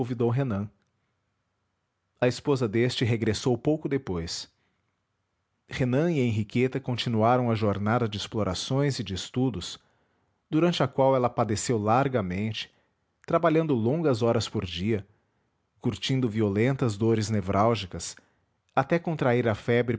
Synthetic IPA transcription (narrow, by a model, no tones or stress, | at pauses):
õvid̪owɦenɐ̃ | ɐɪspozɐd̪est͡ʃɪɦeɡɾesowpowkʊd̪epojs | henɐ̃iẽɦiket̪ɐkõnt͡ʃinuaɾɐ̃w̃ɐʒoɾnad̪ɐd͡ʒɪɪsploɾʔasõj̃zɪd͡ʒɪst̪ud̪ʊs | d̪uɾɐ̃nt͡ʃɪɐkwawɛlɐpad̪esewlaɾɡɐmẽnt͡ʃɪ̥ | t̪ɾabaʎɐ̃nd̪ʊlõɡɐzɔɾɐspoɾd͡ʒiɐ | kuɾt͡ʃĩnd̪ʊviolẽnt̪ɐzd̪oɾɪznevɾʔawʒikɐs | at̪ɛkõnt̪ɾaiɾɐfɛbɾɪ